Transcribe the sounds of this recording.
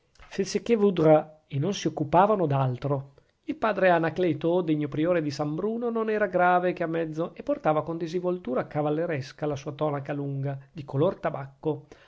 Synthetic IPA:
fesekːevud̪ɾa | enonsiokːupaːvanod̪alt̪ɾo | ilpaːd̪ɾeanaklɛːt̪od̪eɲːopɾioːɾed̪isambɾuːnononɛːɾaɡɾaːvek̟eamːɛd̪zːoʔepːort̪aːvakond̪izivolt̪uːɾakavalːeɾɛskalasuːat̪ɔnakaluŋɡad̪ikolort̪abakːo

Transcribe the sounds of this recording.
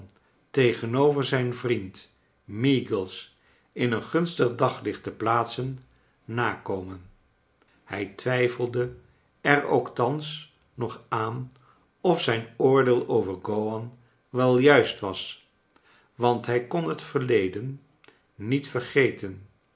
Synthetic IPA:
tejχənowvəɹzɛjnvrint | miːɡəlˠs | ɪnənχɵnstəχdɑχlɪχtəplaːtsənː | aːkowmən | hɛjtʋɛjfəlˠdə | ɛɹo̰wktɑns | nɔχaːn | ɔfsɛjnʊːɹdɪːlˠowvəɹɡowɑn | ʋɛlˠjœɥstʋɑs | ʋɑntɦɛjkɔnɦətfəɹlejdənː | itfəɹχejtən

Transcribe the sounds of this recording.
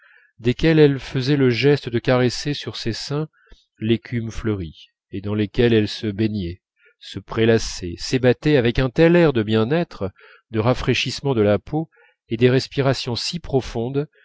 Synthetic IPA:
d̪ekʲɛlɛlfəzɛləʒɛst̪əd̪əkaʁesesyʁsesɛ̃ | lekʲʰymfləʁi | ed̪ɑ̃lekʲɛlɛlsəbenjɛ | səpχelasɛsebat̪ɛavɛkɛ̃t̪ɛlɛʁd̪əbjɛ̃nɛt̪χ | d̪əʁafχeʃismɑ̃d̪əlapʰo | ed̪eʁɛspiʁasjɔ̃sipχɔfɔ̃d̪

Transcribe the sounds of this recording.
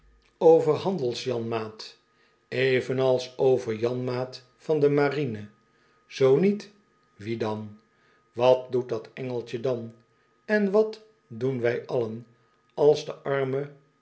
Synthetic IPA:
owvərɦɑndəlˠsjɑnmaːt | ejvənɑlˠsowvəɹjɑnmaːt | fɑndəmarinə | z̥ownit | ʋidɑn | ʋɑt̚dut̚dɑtɛŋəlˠt͡ʃədɑn | ɛnʋɑt | dunʋɛjʔɑlən | ɑlˠzdəʔɑɹmə

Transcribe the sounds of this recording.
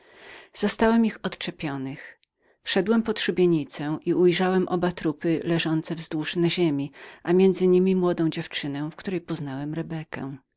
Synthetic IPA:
z̥ɔst̪awɛmixɔt̪t͡ʂɛpʲjɔnɘx | fʂɛd̪wɛmpɔt̪ʂubʲjeɲit̪sɛʔiujʐawɛmʔɔbat̪ɾupɘlɛʐɔnt̪sɛvzd̪wuʂnaʑemʲiʔamʲjɛnd̪zɘɲimʲimwɔd̪ɔ̃w̃d͡ʑɛft͡ʂɘnɛfkt̪uɾɛjpɔznawɛmɾɛbɛkɛ̰

